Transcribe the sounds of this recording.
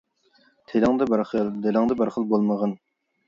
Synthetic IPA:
t̪ʰelɪŋd̪ɨbɑɾχəlˠd̪elɪŋd̪ɨbɑɾχəlˠbolˠməʁɑn

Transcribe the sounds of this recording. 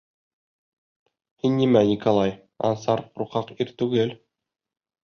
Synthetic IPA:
hinːimænʲikolˠɑj | ɑ̰nsɑɾɾuqɑqiɾt̪ʉɡɘl

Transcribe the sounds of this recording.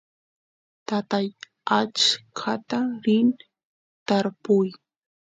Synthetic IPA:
t̪at̪aj | at͡ʃkʰat̪aɾɪn | t̪aɾpʊj

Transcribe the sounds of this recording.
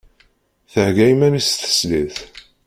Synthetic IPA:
θəhɡæjmænist̪ə̥sliθ

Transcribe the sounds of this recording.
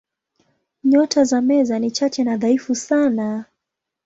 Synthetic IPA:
ɲɔtʰazamɛzanit͡ʃat͡ʃɛnaðaifusana

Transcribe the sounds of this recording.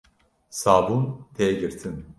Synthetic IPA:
saːbunt̪ʰejɛɟiɾt̪ʰin

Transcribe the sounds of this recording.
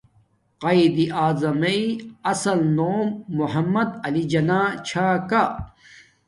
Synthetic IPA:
qɐid̪iʔaːzɐmɐiɐsɐlnoːmːuɦɐmːɐd̪ɐlid͡ʑɐnaːt͡ɕʰaːka

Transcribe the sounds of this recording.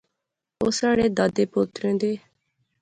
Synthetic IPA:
oːsaːɽeːd̪aːd̪eːpʊt̪ɾẽːd̪eː

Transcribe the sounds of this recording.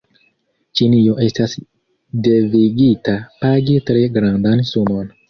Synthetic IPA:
t͡ʃinioʔe̞stas | deviɡitapaɡitɾeɡɾandansumo̞n

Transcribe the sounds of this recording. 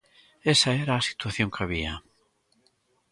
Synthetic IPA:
esaɛɾaːsi̥t̪waθjoŋkʰaβia

